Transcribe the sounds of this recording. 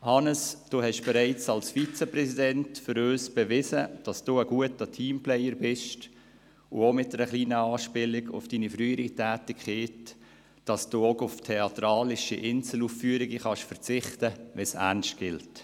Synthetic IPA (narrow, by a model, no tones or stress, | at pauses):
hɑnəsd̥oːhɛʃb̥ɛɾɛɪt͡sɑlsfit͡səprɛsidɛntfʏɾøːsb̥ɛʋɪzəd̥ɑsd̥uːəɡ̥uətətʰiːmplɛjəɾbɪʃt | ʊomɪt̚dɛɾəχliːnəɑːʃpɪlɪɡʊ̰fd̥iːnifɾyːəɾitʰæːtɪkχeːt | d̥ɑsd̥uːokʊftʰɛɑtɾɑːlɪʃiʔɪnsl̩uːffyəɾɪɡiχɑʃfəɾt͡sɪχtəʋɛsæ̰ʁnʃtɡ̥ɪlt